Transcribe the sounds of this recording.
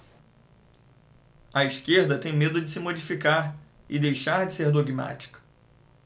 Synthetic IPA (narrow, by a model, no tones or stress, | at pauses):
ɐiʃkeɾd̪ɐt̪ẽj̃med̪ʊd͡ʒɪsɪmod͡ʒifikaɾ | ɪd̪ejʃaɾd͡ʒɪseɾd̪oɡima̰t͡ʃi̥kɐ̥